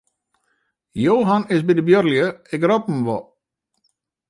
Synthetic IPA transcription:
joːɦanɪsbidəbjørljəɪkrɔp̚m̩ʋɔ

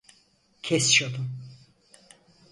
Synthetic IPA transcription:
cʲʰɛsʃod̪um

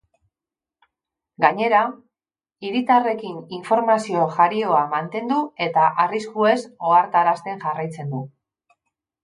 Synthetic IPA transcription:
ɡaɲe̞ɾa | iɾit̪are̞kiniɱfo̞ɾmasio̞ʝaɾio̞amant̪e̞nd̪ue̞t̪aʔariskue̞so̞aɾt̪aɾast̪e̞ŋʝarajt͡se̞nd̪u

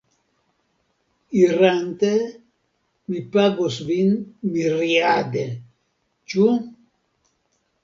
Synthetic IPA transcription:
irant̪e | mipaɡosvinmirjad̪e | t͡ʃu

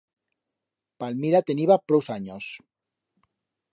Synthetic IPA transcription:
palmiɾat̪eniβapɾowsaɲos

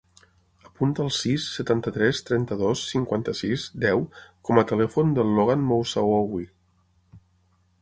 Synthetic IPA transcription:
əpunt̪əːlˠsisːət̪ant̪ət̪ɾɛst̪ɾɛnt̪əðosːiŋkwant̪əsizd̪ɛwkɔmət̪əlɛfund̪əlːoɣanmowsawɔwi

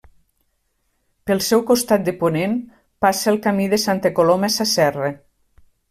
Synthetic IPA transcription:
pəlˠsɛwkost̪at̪̚d̪eponem | pasəːlˠkamiðəsant̪əkolomesasɛre

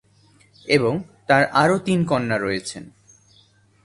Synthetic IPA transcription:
eboŋt̪aɾaɾot̪inkɔnːaɾɔjet͡ɕʰḛn

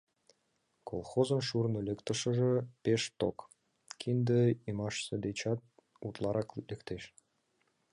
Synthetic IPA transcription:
kʰo̰lˠxozə̆nʃurnolʲĕkt̪ə̆ʃə̆ʒĕpeʃt̪o̰k | kʲʰind̪əimɑʃsĕd̪et͡ɕɑt̪̚ | ut̪lˠɑɾɑklʲɘ̆kt̪eʃ

